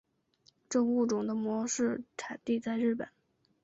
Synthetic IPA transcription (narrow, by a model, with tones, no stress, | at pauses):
ʈ͡ʂɤ˥˧ŋu˥˩ʈ͡ʂʊ˨˩ŋd̪ə˦mwɔ˧˥ʂɻ̩˥˩ʈ͡ʂʰa˨˩nt̪i˥˧t͡sa˥˧ɪɻɻ̩˥˩pə̰˨˩˦n